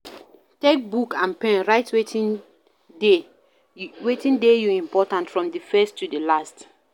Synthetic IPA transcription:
tek̚bukãnpɛ̃nɹaɪtʰwetʰĩn | de | wetĩndejuĩmpɔtãntfɹɔ̃mdəfɛstːudəlast

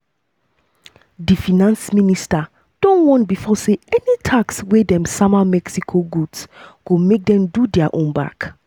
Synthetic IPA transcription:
difinãnsmĩnista | d̥ɔ̃nwɔ̃ntbifɔseɛnitʰakswedɛ̃msamamɛksikʰoɡudsɡ̥omek̚dɛ̃mdudɛaʔõnba̰k

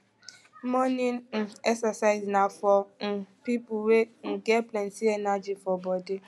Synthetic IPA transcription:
mɔnĩnn̩ɛksasaɪznafɔm̩pipuweŋ̩ɡɛplɛ̃nsiɛnad͡ʒifɔbɔdi

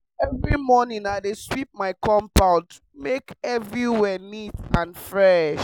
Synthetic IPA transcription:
ɛvɹimɔnĩŋaɪdeswip̚maɪkɔ̃mpãʊ̃nd | mekɛvɹiwɛnitãnfɹɛʃ

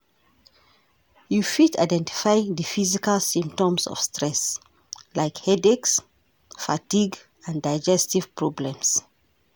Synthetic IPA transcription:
jufita̰ɪdɛ̃ntʰi̥faɪɪ̃ŋðəfizikalsĩmp̚tɔ̃msɔ̰v̥stɹɛs | laɪkhɛdeks | fatiɡ | ãndaɪd͡ʒɛstiv̥pɹɔblɛ̃ms

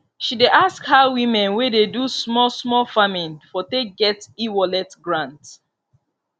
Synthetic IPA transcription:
ʃideʔaskhawĩmɛ̃nwededusmɔlsmɔlfamĩnfɔteɡɛtiwɔlɛtɡɹãnt

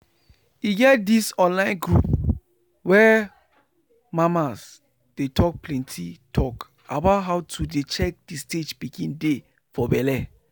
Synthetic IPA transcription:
iɡɛt̚disɔ̃nlãɪ̃nɡɹup̚ | wɛ | mãmas | d̥etʰɔk̚plɛ̃ntʰitʰɔk | abaʊtɦaʊtʰudet͡ʃɛk̚disted͡ʒbiɡĩnde | fɔbɛlɛ

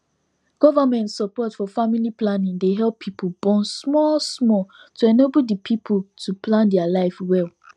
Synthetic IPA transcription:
ɡ̥ɔvamɛ̃ntsəpɔtfɔfamiliplanĩŋdeɦɛlˠpʰːipʰobɔ̃nsmɔlsmɔl | tuɛnebldəpʰipʰotʰuplãndɛalaɪfwɛl

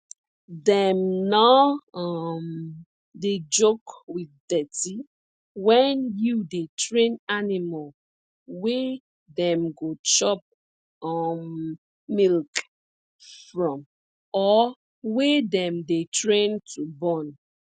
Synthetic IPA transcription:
dɛmna | m | ded͡ʒokwiθdɛti | wɛnjudetɹẽnanimal | wɛ | dɛ̃mɡot͡ʃɔp̚ | ɔm | milk | fɹɔ̃m | ɔ | wɛdɛ̃mdetɹẽntʰubɔ̃n

